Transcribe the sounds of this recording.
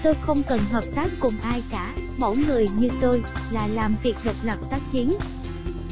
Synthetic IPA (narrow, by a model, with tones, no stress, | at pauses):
t̪o˧jxə˧wŋ͡mkə˨˩nɦəː˨˩p̚t̪aː˦˥k̚ːʊ˨˩ŋ͡mʔaː˧jkaː˧˩mo̰˧˥jŋɨ˨˩əjɲɨ˧t̪o˧jlaː˨˩laː˨˩mvi˨˩ək̚həː˨˩p̚nə˨˩p̚t̪aː˦˥k̚t͡ɕi˨˦ən